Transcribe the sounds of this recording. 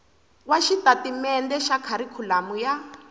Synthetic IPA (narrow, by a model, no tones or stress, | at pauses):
waʃitatimɛndɛʃakʰaɾikʰulamuja